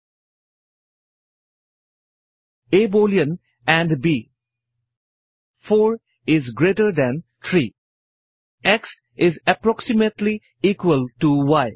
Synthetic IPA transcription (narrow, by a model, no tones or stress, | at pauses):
eːboːljə̃n | æ̃ɳɖbiː | foːɾ | ɪzɡɾeːʈəɾd̪æ̃nt̪ʰɾiː | eks | ɪzəpɾɔksɪməʈli | iːkwəlʈuwaɪ